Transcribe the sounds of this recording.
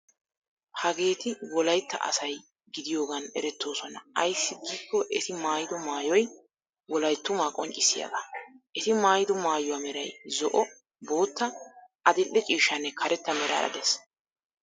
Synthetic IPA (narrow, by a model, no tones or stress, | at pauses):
hɐɡe̞ːt̪ɪwɔlɐjt̪ːɐ̰ʔɐ̰sɐj | ɡɪd̪ɪjo̞ːɡɐnɛ̰ɾɛt̪ːo̞ːsɔnɐɐ̰jsːɪɡiːkːɔʔɛt̪ɪmaːjɪd̪ɔmaːjɔj | wɔlɐjt̪ːʊmaːkʼɔŋt͡ʃʼɪsːɪ̰jɐ̰dɐʔɛt̪ɪmaːjɪd̪ɔmaːjʊwamɛɾɐjzɔʔɔ | bo̞ːt̪ːɐʔɐd̪ɪlːɛkʼiːʃːɐnːɛkʰɐɾɛt̪ːɐmɛɾa̰ːɾɐ̰d̪ɛs